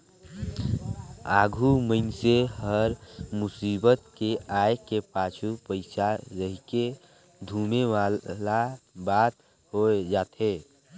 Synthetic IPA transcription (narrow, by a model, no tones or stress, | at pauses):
aːɡʱuməɪnseɦəɾmʊsiːbət̪keaːjkepaːt͡ʃʰupəɪsaɾəɦike | d̪ʱumealabaːt̪ | ɦod͡ʒaːt̪ɦe